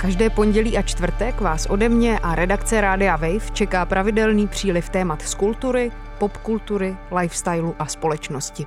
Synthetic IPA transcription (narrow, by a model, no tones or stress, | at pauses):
kaʒdɛːpo̞ɲɟɛliːʔat͡ʃt̪vr̩t̪ɛkvaːsʔo̞dɛmɲɛʔaɾɛdakt͡sɛɾaːdɪavɛjft͡ʃɛkaːpɾʔavɪdɛlniːpr̝̥iːlɪft̪ɛːmat̪skult̪uɾɪ | po̞pkult̪uɾɪlajfst̪ajluʔaspo̞lɛt͡ʃno̞scɪ